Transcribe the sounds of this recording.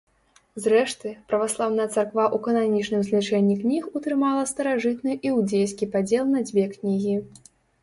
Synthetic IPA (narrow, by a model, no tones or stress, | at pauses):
zrɛʂt̪ɨpɾɐvaslˠawnɐjɐt̪sarkvaʔukɐnanʲit͡ʂnɨmzlʲat͡ʂɛnʲːiknʲixut̪ɾɨmalˠɐst̪ɐɾaʐɨt̪nɨʔiwd͡zʲejskʲipad͡zʲɛlˠnɐd͡zʲvʲɛknʲiɣʲi